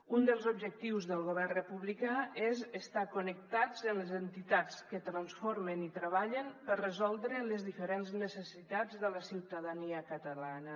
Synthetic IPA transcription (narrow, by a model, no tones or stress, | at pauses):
und̪əlˠzubʒək̚t̪iwzðəlˠɣuβɛrrəpuβlikaezəst̪akunək̚t̪ad͡zənləzənt̪it̪at͡skət̪ɾənsfoɾmənit̪ɾəβ̞aʎənpərəzɔlˠd̪ɾələzðifəɾenznəsəsit̪ad͡zðələsiwt̪əðəniəkət̪əlanə